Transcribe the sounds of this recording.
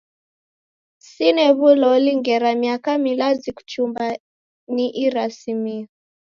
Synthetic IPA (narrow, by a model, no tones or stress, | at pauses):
sinɛβulɔliŋɡɛɾamiakamilaziku̥t͡ʃumba | niʔiɾasimiɔ